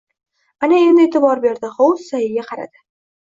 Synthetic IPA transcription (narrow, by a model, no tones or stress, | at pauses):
anae̞nd̪ɪeːt̪ʰɪbɒɾbe̞ɾd̪ɪχow̪sajɪɡʲaqʰɑɾa̰d̪ɪ̥